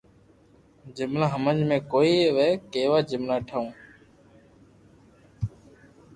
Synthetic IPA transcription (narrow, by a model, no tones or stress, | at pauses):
d͡ʒɪmlãːɦəməd͡ʒmẽːkoːiːʋeːkeːʋaːd͡ʒɪmlaːʈʰəũː